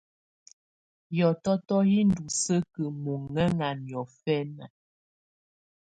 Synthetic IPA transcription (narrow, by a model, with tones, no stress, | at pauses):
jɔ˨tɔ˦tɔ˦hi˦ndu˨sə˦kə˨mu˨ŋɛ˦ŋa˨njɔ˨fɛ˦na̰˨